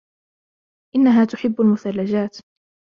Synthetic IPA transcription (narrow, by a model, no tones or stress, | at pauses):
ʔɪnːaɦaːt̪ʊħɪbːalmʊθalːad͡ʒaːt̪